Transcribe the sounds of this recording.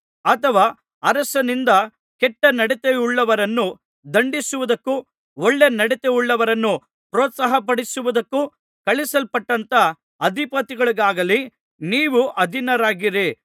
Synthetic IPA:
ɐt̪ʰɐʋaː | ɐɾɐsɐnind̪ɐ | kɛʈːɐnɐɽɛt̪euɭːɐʋɐɾɐnːu | d̪ɐɳɖisuʋud̪ɐkːu | ɔɭːe̞nɐɽɛt̪e̞uɭːɐʋɐɾɐnːu | pɾɔːt̪sɐɦɐpɐɽisuʋud̪ɐkːu | kɐɭisɐlpɐʈːɐnt̪ɐ | ɐd̪ʱipɐt̪iɡɐɭiɡaːɡɐli | niːʋuʔɐd̪ʱinɐɾaːɡiɾi

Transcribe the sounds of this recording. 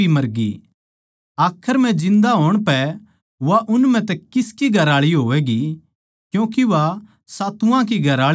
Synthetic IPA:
imɐɾɡḭ | aːkʰəɾm̤ɛ̃d͡ʒɪ̃nd̪aɦoːɽ̃pɛ | ʋaʔʊnm̤ɛ̃t̪ɛkɪskiɡʱɐɾaːɭiɦoːʋɛːɡi | kjũːk̬iʋa | saːt̪ʊãk̬iɡʱɐɾaː

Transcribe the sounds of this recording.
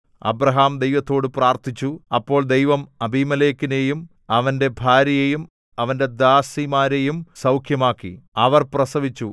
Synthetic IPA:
ɐ̰bɾɐɦaːmd̪ejʋɐt̪ːo̞ːɽɨpraːrt̪ʰit͡ɕːuɐpːo̞ːɭd̪ejʋɐmɐbʱimɐle̞ːkːine̞jum | ɐʋɐnde̞bʱaːɾjɐjejum | ɐʋɐnde̞d̪aːsimaːɾejumsɐwkʰjɐmaːkːḭɐʋɐrprɐsɐʋit͡ɕːu

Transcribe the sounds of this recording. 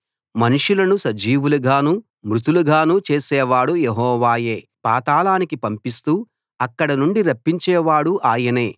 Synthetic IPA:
mɐnuʂulɐnusɐd͡ʒiːʋulɐɡʱaːnu | mɾut̪ulɐɡʱaːnut͡ʃeːsɛːʋaːɽujeɦɔːʋaːjeː | pa̰ːt̪aːlaːnikipɐmpist̪uː | ɐkːɐɽɐnuɳɖiɾɐpːiɲt͡ʃɛːʋaːɽuʔaːjɐneː

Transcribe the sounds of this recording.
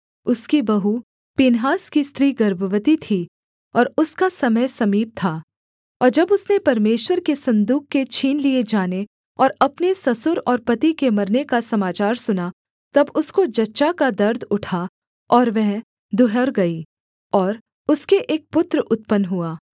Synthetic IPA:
ʊskibɐɦu | pinɦaːskist̪ɾiːɡɐɾbʱəʋət̪it̪ʰi | ɔːɾʊskasɐməjsɐmiːp̚t̪ʰaː | ɔːɾd͡ʒɐbʊsnepɐɾmeːʃwəɾkesɐ̃nd̪uːk̚kːet͡ʃʰiːnlied͡ʒaːne | ɔːɾɐpnesɐsʊɾɔːɾpɐt̪ikemɐɾnekasɐmaːt͡ʃaːɾsʊna | t̪ɐbʊskod͡ʒɐtːʃakad̪ɐɾd̪ʊʈʰa | ɔːɾʋɛɦ | d̪ʊɦəɾɡɐi | ɔːɾ | ʊskeʔeːk̚pʊt̪ɾʊt̪̚pənɦuaː

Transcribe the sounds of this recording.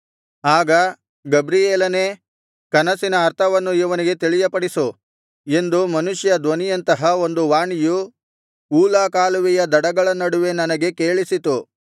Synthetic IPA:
aːɡɐ | ɡɐbɾijeːlɐneː | kɐnɐsinɐːɾt̪ʰɐʋɐnːuiʋɐniɡe̞t̪iɭijɐpɐɽisu | e̞nd̪umɐnuʂjɐd̪ʋɐnijɐnt̪ɐɦɐo̞nd̪uʋaːɳiju | uːlaːkaːluʋijɐd̪ɐɽɐɡɐɭɐnːɐɽuʋe̞nɐnɐɡe̞keːɭisit̪u

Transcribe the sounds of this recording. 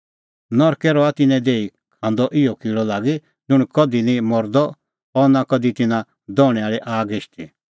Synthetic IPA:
nɔɾkɛɾɔat̪ɪnɛ̃d̪eːi | kʰãnd̪ɔʔɪɔkiːɭɔlaːɡi | d͡zʊɽ̃kɔd̪inĩmɔɾd̪ɔ | ɔnakɔd̪it̪ɪnã | d̪ɔːɽ̃ɛaːɭiʔaːɡeʃt̪i

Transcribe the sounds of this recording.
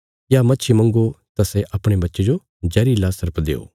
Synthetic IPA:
jamɐtːt͡ʃʰiemɐ̃ŋɡot̪asɛʔɐpɽ̃ebɐtːʃed͡ʒo | d͡ʒɐːɾilasɐɾpd̪ḛːo̰ː

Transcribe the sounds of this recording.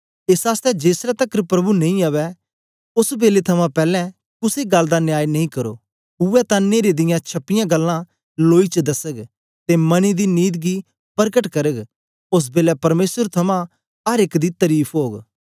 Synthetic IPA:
ɪsaːst̪ɛd͡ʒeːsɾat̪ɐkəɾpɾɐbunɐ̃ĩaːʋɛ | ʊsbeːlet̪ʰɐmãpɛːlɛ̃ | kʊseɡɐlːd̪anɪjaːjnɐĩkɐɾo̰ː | ʊɛt̪ãneːɾed̪ɪjãt͡ʃʰɐpːɪjãɡɐlːã | loːit͡ʃd̪ɐsəɡ | t̪emɐnid̪iniːd̪ɡi | pɐɾkəʈkɐɾəɡ | ʊs̬beːlɛpɐɾmeːsəɾt̪ʰɐmã | ɦɐɾɪkd̪it̪ɐɾiːpʰɦoːɡ

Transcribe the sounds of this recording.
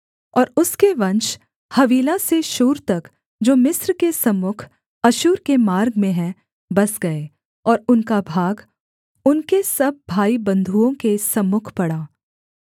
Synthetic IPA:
ɔːɾʊskeʋɐ̃nʃ | hɐʋiːlaseʃuːɾt̪ɐk | d͡ʒoːmɪsɾkesɐmːʊkʰ | ɐʃuːɾkemaːɾɡmẽɦɛ̃ | bɐsɡɐeː | ɔːɾʊnkabʱaːɡ | ʊnkesɐb̚ːʱaːibɐ̃nd̪ʱuõkesɐmːʊkʰpɐɽaː

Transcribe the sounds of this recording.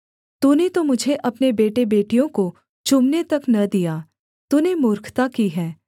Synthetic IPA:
t̪uːnet̪omʊd͡ʒʱeʔɐpnebeːʈebeːʈijõko | t͡ʃʊmnet̪ɐknɐd̪ijaː | t̪uːnemʊːɾkʰt̪akiɦɛː

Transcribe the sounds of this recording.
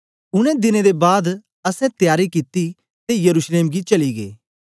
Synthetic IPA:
ʊnɛ̃d̪ɪned̪ebaːd̪ | ɐsɛ̃t̪jaːɾikit̪i | t̪ejɐɾuːʃleːmɡit͡ʃɐliɡḛː

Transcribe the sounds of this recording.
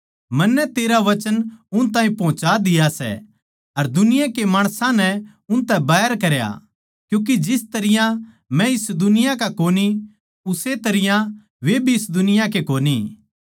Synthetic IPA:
mɐnːɛt̪eːɾaʋɐt͡ʃənʊnt̪ãːĩpɐ̃ɦʊ̃t͡ʃad̪ɪjasɛ̰ | ɐɾd̪ʊnɪjãkemaːɽ̃sãnɛ | ʊnt̪ɛ̃baːɦəɾkɐɾja̰ | kjũːk̬id͡ʒɪst̪ɐɾɪjã | mɛ̃ɪsd̪ʊnɪjãkakoːni | ʊset̪ɐɾɪjã | ʋebʱiɪsd̪ʊnɪjãk̬ekoːni

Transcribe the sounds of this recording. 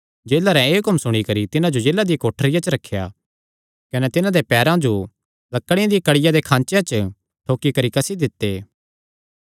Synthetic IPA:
d͡ʒeːlaɾɛ̃eɦʊkmsʊɽ̃ikɐɾit̪ɪnãd͡ʒod͡ʒeːlːad̪ijakoːʈʰəɾɪjat͡ʃəɾɐkʰːja̰ː | kɐnɛt̪ɪnãd̪epɛːɾãd͡ʒo | lɐkːəɽ̃ɪ̃ãd̪ijakɐɽɪjad̪ekʰãːnt͡ʃjãt͡ʃə | ʈʰoːkikɐɾikɐsid̪ɪt̪ːeː

